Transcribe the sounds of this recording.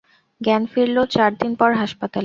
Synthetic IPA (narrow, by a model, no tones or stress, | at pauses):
ɡɛnfiɾlot͡ɕaɾd̪inpɔɾɦaʃpat̪ale